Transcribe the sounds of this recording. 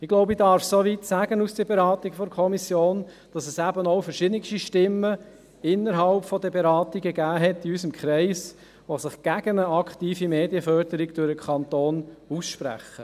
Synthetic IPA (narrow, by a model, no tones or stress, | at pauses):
ɪɡ̥loʊbidɑɾfsoʋitsæɡənusd̥əbeɾɑːtikfɔdkʰɔmisjoːn | d̥ɑsɛsæbənoʊfəɾʃɪdnɪkʃtiʃtɪmːə | ɪnːəɾɦɑlpfɔdəbeɾɑːt̪iɡəɡæːɦɛtːiysəmkχɾɛɪs | ʋosɪχɡ̥æɡ̥ənəɑkt̪iːfimeːdiəfœɾdəɾiɡd̥ʊɾəkʰɑntoːnusʃpɾæ̰χə